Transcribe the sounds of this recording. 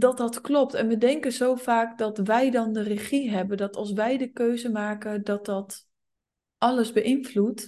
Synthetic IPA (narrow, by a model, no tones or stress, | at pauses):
dɔt̚dɔtklɔp̚tɛnʋədɛŋkəzowfaːkdɔtʋɛjdɔndərəχiɦɛbəndɔtɑlˠs̬ʋɛjdəkøɥzəmaːkədɔt̚dɔt | ʔɑləzbəʔɪnflut